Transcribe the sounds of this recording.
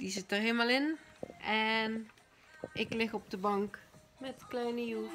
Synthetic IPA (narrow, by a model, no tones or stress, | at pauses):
dizɪtərɦelmalˠɪnɛn | ɪklɪxɔb̚dəbɑŋk | mɛtklɛjnəjuf